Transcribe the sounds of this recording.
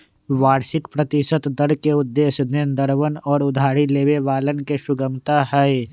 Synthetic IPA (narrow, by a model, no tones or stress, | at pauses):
ʋaːɾʃɪkpɾət̪ɪʃət̪d̪əɾkeʊd̪ːeːsnend̪əɾʋənɔːɾʊd̪ʱaːɾileːʋeʋaːlənkeʃʊɡəmt̪aɦɛe